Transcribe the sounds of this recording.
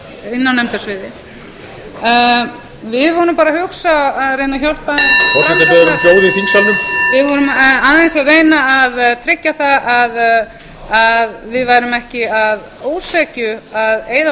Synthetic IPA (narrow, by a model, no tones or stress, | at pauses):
ɪnːawnɛmt̪ɛsvɪðɪ | vɪðvɔɾʏmpaːɾahʏksaaðɾejnaçɔwlpaðɪnfɔɾat̪ɪɛðaɾɪfowðɪθiŋsalʏmvɪðvɔɾʏmaːnaensaðreːjnaaðt̪ʰɾɪcːaθaað | aðvɪðvajɾʏmɛhcɪað | oːwsɛːcʏaðeːjða